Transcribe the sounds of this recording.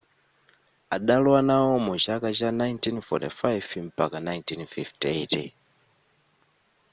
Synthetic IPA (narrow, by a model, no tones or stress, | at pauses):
aɗalwanawɔmut͡ʃakat͡ʃanajntinfɔ̰tḭfajvim̩pakanajntinfiftetḭ